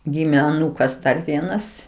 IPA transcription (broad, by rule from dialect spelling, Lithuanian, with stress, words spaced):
ˈɡʲɪmʲeː ɐˈnuːkɐs ˈdɐr ˈʋʲiɛnɐs